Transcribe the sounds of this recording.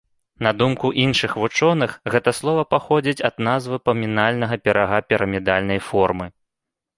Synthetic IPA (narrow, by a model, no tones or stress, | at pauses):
nɐd̪umkuʔinʂɨxvut͡ʂɔnɨxɣɛt̪ɐslˠɔvɐpaxɔd͡zʲit͡sʲɐd̪nazvɨpɐmʲinalʲnɐɣɐpʲɛɾaɣapʲiɾʔɐmʲid̪alʲnɐjfɔrmɨ